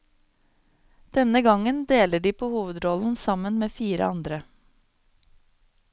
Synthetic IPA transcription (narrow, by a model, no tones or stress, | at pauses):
d̪̥ɛnəɡɑŋənd̪eːləɖiːpʰoːhuːʋəd̪ɾɔln̩sɑmənmeːfiːɾə̰ɑnd̪ɾə